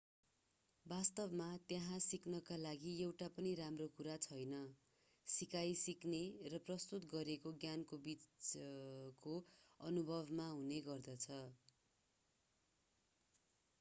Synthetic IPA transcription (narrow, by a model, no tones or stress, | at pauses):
bast̪ʌbmat̪jaɦãsiknʌkalaɡiewʈapʌniɾamrokuɾat͡sʰʌjnʌ | sikajsiknerʌprʌst̪ut̪ɡʌɾekoɡjankobit͡s | koʌnubʱʌbmaɦuneɡʌrd̪ʌt͡sʰʌ